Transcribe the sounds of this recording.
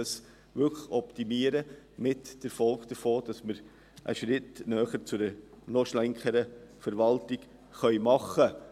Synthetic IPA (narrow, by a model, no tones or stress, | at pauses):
ɑs | ʋʏkʰəɔptimiəɾə | mɪtd̥əɾfɔlkd̥əfoːd̥ɑsməɾ | ʔə̰ʃɾɪtnœːχəɾt͡sʊdə | nɔʃlɛŋkəɾəfəɾʋɑltɪk | χœʏmɑχə